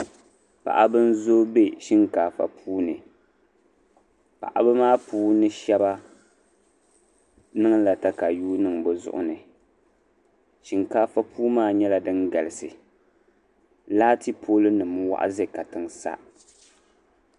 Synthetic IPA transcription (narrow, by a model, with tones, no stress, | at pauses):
pa̰˨ʔa˦bɨ˦n˦zo˦be˦ʃi˦ŋkaː˨fa̰˨pʰuː˦nɨ˨ | pa̰˨ʔa̰˨bɨ˦maː˦puː˦nɨ˦ʃɛ˦ba˦ | nɨ˦ŋla˨ta˦ka˨juː˦nɨ˨ŋbɛ˨zʊ̰˦ʔʊ̰˦nɨ˨ | ʃi˨ŋkaː˦fa˦pʰuː˦maː˦ɲɛ˦la˨dɨ˦nɡa˨lɨ˨sɨ˨ | laː˦ti˦pʰoː˦lɨ˦nɨ˨m˦wa̰˦ʔa̰˦zɛ˦˨ka˨tɨ˨ŋsa̰˦